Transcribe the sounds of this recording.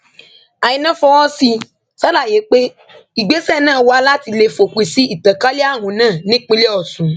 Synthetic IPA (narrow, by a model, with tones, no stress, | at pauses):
a˨ji˨˧nã˦fɔ˧wɔ˦si˧ | sa˦la˦˨je˨˦k͡pe˦ | i˨ɡ͡be˨˦sɛ˦˨nãː˦˨wɔ˧a˧˦la˦ti˧le˧fo˨kʷi˨si˦i˦˨ta˨ka˦le˦a˦˨wũ˨˦nãː˦˨nĩ˦k͡pĩ˦le˦ɔ˦˨sũ˨˦